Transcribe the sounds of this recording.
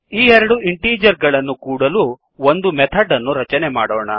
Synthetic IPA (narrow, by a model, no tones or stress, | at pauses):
iːɛɾɐɽuiɳʈiːd͡ʒɐɾɡɐɭɐnːukuːɽɐlu | ond̪umɛt̪ʰɐɖːɐnːuɾɐt͡ʃɐnemaːɽɔːɳɐ̰